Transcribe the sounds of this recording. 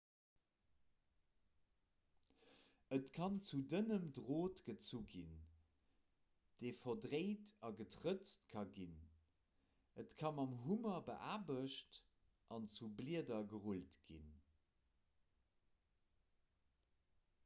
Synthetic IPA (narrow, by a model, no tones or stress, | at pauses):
ətkʰɑnt͡sudənəmdʁoːtɡ̥ət͡suɡin | d̥eːfɐdʁeɪtɑɡətʁət͡stkʰɑɡin | ətkʰɑmɑmɦumɐbəʔaːbəʃt | ʔɑnt͡subliədɐɡəʁultɡ̥ḭn